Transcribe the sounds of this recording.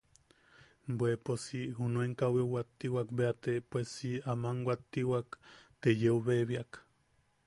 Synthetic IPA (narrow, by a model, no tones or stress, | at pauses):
mbweposiɦunueŋkawewat̪ːiwakbeat̪epwesiamaŋwʷat̪ːiwakt̪ejeuβeβiak